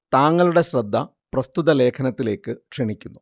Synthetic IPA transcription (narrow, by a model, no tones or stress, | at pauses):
t̪aːŋːɐɭuɽe̞ɕrɐd̪ʱːɐ | prɐst̪uðɐle̞ːkʰɐnɐt̪ːile̞ːkːɨkʂeɳikʲːunːu